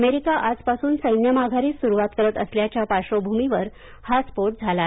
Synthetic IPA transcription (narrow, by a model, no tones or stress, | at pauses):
meɾikaʔad͡zpasuːnsəjnjəmaɡʱaɾiːsuɾuʋat̪kəɾət̪əsljat͡ɕjapaɕobʱumiʋəɾ | haspoʈ̚d͡zʱala